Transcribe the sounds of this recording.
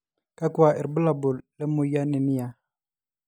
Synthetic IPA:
ka˦kwa˨ʔɛ˨ɾbə˦la˨bu˨llɛ˦mu˦ja˦ni˨ni˦ja˨

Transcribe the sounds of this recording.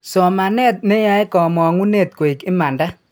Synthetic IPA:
sɔ˨ma˨nɛ˦t̪̚ne˦ja˦jkɔ˨mɔ˨ŋu˦ne˦˨t̪̚ko˨i˨kɪ˦ma˨nda˦

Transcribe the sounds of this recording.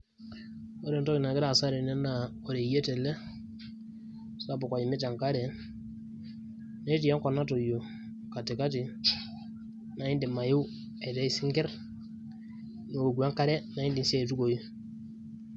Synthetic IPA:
o˦ɾɛ˨ntɔ˦ki˨na˨ki˦ɾa˨sa˦ɾe˨nɛ˦na˨ | o˨ɾe˨je˦tɛ˨lɛ˦ | sa˦˨bu˨ka˨ji˨mi˦t̬a˨ŋka˦ɾɛ˨ | ne˦ti˨ja˦ŋkɔ˨na˦to˨jo˨ | ka˨ti˨ka˦t̬i˨ | na˨i˦ndi˨ma˨ju˦ | e˨tɛ˦i˦si˦ŋɡɛ˦ɾ | no˨o˨ɡu˨a˦ŋka˦ɾɛ˦na˨i˦ndi˨nsi˦e˦˨t̬u˦ko˨ji˦

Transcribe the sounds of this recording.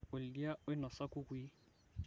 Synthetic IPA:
ʊ˨ldi˦a˦ʊ˦ɪ˦nɔ˨sa˦kʼʊ˦kwi˦

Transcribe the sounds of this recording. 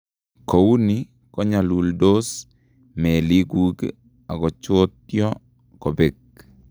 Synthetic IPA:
ko˨wu˦ni˦ | kɔ˦ɲa˨lu˨ldo˦s | mɛ˨li˦ɡu˦ɡ | a˨ɡɔ˨t͡ʃo˦tjɔ˦ | kɔ˨be˨k̚

